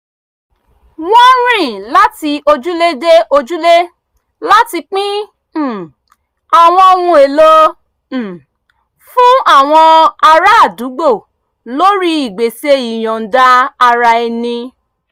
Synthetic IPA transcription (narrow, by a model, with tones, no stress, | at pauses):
wɔ̃˦ɾ̃ĩ˦˨la˦ti˧o˧d͡ʒu˦le˦de˦ʔo˧d͡ʒu˦le˦ | la˦ti˧k͡pĩ˦˨ | a˨w̃ɔ̃˧o˧wũ˧e˨lo˦˨ | fũ˦a˦˨w̃ɔ̃˧a˧ɾa˦a˦˨du˨˦ɡ͡bo˦˨ | lo˦ɾi˦i˦˨ɡ͡be˨se˧i˨j̃ɔ̃˨n̩˨da˨˦a˧ɾa˧e˧nĩ˧